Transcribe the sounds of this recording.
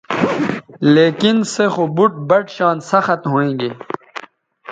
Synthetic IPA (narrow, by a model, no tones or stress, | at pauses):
leːkinsexoːbuʈ̚bɐʈɕaːnsɐxɐt̪ɦoːẽːɡeː